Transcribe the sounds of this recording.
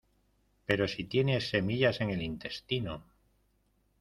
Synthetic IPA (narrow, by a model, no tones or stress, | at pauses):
pe̞ɾo̞sit̪je̞ne̞se̞miʎase̞ŋe̞lint̪e̞st̪ino